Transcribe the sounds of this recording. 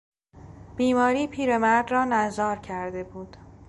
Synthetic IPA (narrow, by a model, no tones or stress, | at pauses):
b̥iːmɒːɾiːpʰiːɾemæɾd̪rɒːnæzɒːɾcʰæɾd̪e̞buːd̪̥